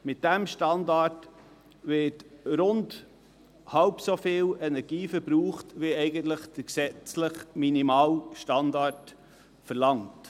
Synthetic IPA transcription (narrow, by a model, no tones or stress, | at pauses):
mɪt̚d̥æmʃtɑndɑt | ʋɪːtɾʊnd | hɑwpsofɪːwɛnɛɾɡ̥iːfəɾbɾuːχtʋiɛɪɡəntləχd̥əksɛt͡sləχminimɑːlʃtɑndɑt | fəɾlɑŋt